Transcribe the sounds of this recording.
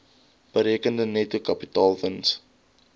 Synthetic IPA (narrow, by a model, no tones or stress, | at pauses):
b̥əɾiəkəndənɛtukɐpitɑːlˠvəns